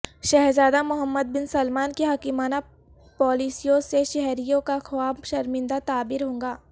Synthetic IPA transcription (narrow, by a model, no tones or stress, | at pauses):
ʃɛɦɾzaːd̪amʊɦəmːəd̪̚bɪnsɐlmaːnkeɦɐkimaːna | pɔːlisijõseʃɛɦɾijõkaxwaːbʃɐɾmɪ̃nd̪at̪aːbɪɾɦõːŋɡaː